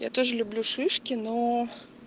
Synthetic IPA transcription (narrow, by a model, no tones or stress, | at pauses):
ja̰t̪oʐəlʲʊblʲuʂɨʂkʲɪno